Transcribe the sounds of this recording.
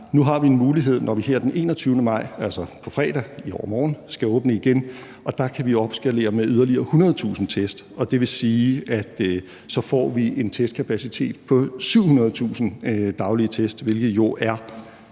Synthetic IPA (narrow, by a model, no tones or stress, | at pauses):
nuɦɑ̈ʋie̝nmuːliɦe̝ð̞̰ˠnʔɒʋiɦeɐ̰d̥enʔe̝̰ːnɒ̽t͡sʰyʊnəmɑ̈ɪ̰ælsɒpʰɒ̽fʁɛːd̥æiɒ̰ːmɒːn̩sɡ̥æɔ̽ːb̥nəiɡ̥en | ʔɒ̽d̥ɑ̈kʰæʋio̝ɒ̽b̥sɡ̥æle̝̰ːɐmeʔyð̞ˠɐliɐːhunɐð̞ˠt͡sʰṵːsn̩t͡sʰesd̥ɒ̽d̥e̝ʋe̝siːæd̥ | sɒ̽fɒ̰ːʋie̝nt͡sʰesd̥kʰæpʰæsit͡sʰe̝̰ːd̥pʰɒ̽syʊ̰hunɐð̞̩ˠt͡sʰṵːsn̩d̥ɑ̈ʊliət͡sʰesd̥ʋe̝lɡ̥ð̩ˠjo̝ʔæɐ